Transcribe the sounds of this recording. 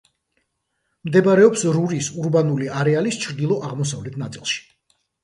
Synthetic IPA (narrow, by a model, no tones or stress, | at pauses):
md̪ɛbaɾɛɔpsɾuɾisuɾbanuliaɾɛalist͡ʃʰɾd̪ilˠɔʔaʁmɔs̬avlɛt̪ʰnat̪sʼḭlˠʃi̥